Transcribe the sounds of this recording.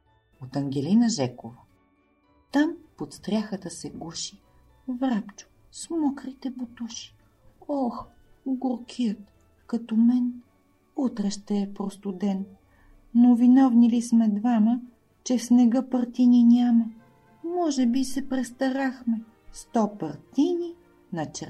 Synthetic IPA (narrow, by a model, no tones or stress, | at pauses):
ot̪ɐŋɡʲɛlinəʒɛkovə | t̪ampot̪st̪ɾʲaxət̪əsɛɡuʃi̥ | vɾapt͡ʃʊ̥ | smɔkɾit̪ɛbot̪uʃi̥ | ɔx | ɡoɾkʰiət̪ | kɐt̪ɔmɛn | ut̪ɾɛʃt̪ɛːpɾost̪ʊd̪ɛn | novinɔvnilismɛd̪vamə | t͡ʃɛfsnɛɡəpɐɾt̪ininʲamɐ | mɔʒɛbisɛpɾɛst̪ɐɾaxmɛ | st̪ɔpɐɾt̪ini | nɐt͡ʃɛ